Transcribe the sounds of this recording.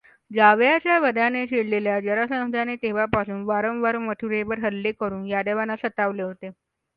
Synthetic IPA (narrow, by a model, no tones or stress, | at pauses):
d͡ʑaʋjat͡ɕjaʋəd̪ʱaneɕeɽleljad͡ʑəɾasə̃w̃sd̪ʱanet̪eʋapasuːnʋaɾə̃mʋəɾməʈʰuɾeʋəɾɦəlːekəɾuːnjad̪eʋanasət̪aʋleɦot̪e